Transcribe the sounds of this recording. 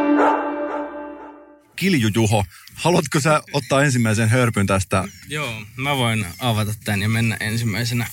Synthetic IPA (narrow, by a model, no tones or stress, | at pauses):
kiljujuɦo | hɑluɑt̪kosæot̪ːɑːens̬imːæisenɦørpynt̪æst̪æjoːmæʋoinɑʋɑt̪ɑt̪ːænjɑmenːæ̰ʔensimːæisenæ